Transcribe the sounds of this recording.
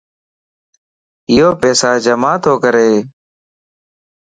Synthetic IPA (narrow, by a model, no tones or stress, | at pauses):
ɪjoːpɛːsaːd͡ʒəmaːt̪ʰoːkəɾeː